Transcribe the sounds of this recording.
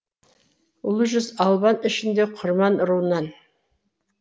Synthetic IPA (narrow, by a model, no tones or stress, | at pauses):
ʊlˠəʒʏzɑlˠbɑnɪʃɪnd̪eqʰʊɾmɑnɾuwnɑn